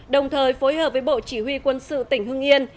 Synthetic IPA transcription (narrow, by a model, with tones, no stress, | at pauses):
ɗə˨˩wŋ͡mt̪ʰəː˨˩jfo˨˦jhɦəː˨˩p̚vəː˨˦jɓo̰˧˨t͡ɕi˧˩hwi˧kwə˧nsɨ̰˧˨t̪ï˧˩ŋ̟hɨ˧əŋʔi˧ən